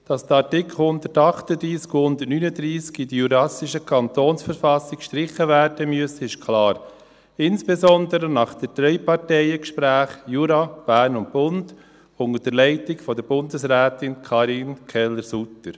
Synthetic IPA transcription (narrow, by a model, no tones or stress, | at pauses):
d̥ɑsd̥əɑtɪkʰl̩hʊndətɑχtədɾiːskuhʊndətnyːnədɾiːskidiyɾɑsɪʃəkʰɑntoːnsfəɾfɑsɪkkʃtɾɪχəvæːɾd̥əmyəsəɪʃkʰlɑːɾ | ɪnsb̥esɔndəɾənɑχd̥əd̥ɾɛʏpɑɾtɛɪəkʃpɾæːχjuːɾɑb̥æːɾnʊnt̚b̥ʊnd | ʊŋəd̥əɾlɛɪtɪɡfɔdəɾb̥ʊndəsɾɛːtɪnkʰɑːɾinkʰɛlːəɾsutəɾ